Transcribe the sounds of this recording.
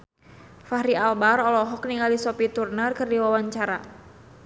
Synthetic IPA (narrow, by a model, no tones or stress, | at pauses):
fahɾialbarɔlɔɦɔkniŋalisɔpit̪urnərkərdiwawaɲt͡ʃaɾa̰